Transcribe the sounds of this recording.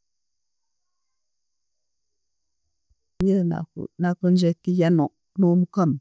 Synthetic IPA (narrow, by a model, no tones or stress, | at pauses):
jəa̰nakənd͡ʒekijanɔʔ | numkəm